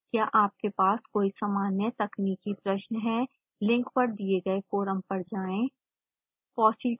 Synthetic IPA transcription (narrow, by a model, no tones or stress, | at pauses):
kjaːʔaːp̚kepaːskoːisaːmaːnjət̪ɐkniːkipɾɐʃnɦɛ̃ | lɪ̃ŋkpɐɾd̪ieɡɐefoːɾəmpɐɾd͡ʒaːẽː | pɔːsi